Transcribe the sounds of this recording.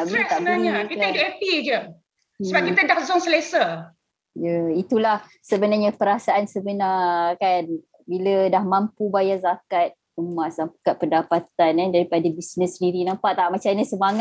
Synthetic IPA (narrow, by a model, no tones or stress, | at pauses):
aʔbit̪abbnaɲakit̪aidʊepid͡ʒə | səbakit̪ədahzɔŋsəlesə | jəit̪ulah | səbənaɲapəɾasaʔansəbənarkan | bilədahmãmpubajazakat̪̚ | əmasampkat̪̚pəndapat̪anandaɾipadabisnəsːəndiɾinampaʔt̪aʔmat͡ʃanasəmaŋa